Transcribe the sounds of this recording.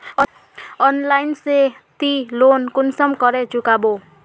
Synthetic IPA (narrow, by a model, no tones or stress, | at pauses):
ɔnlainse | t̪ilonkunsʌmkɔɾet͡ʃukabo